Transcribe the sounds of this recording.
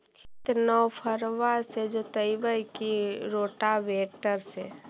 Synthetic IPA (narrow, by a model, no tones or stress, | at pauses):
kʰɪt̪nɔwpʰəɾʋased͡ʒot̪əibəikiɾoːʈaʋeːʈəɾse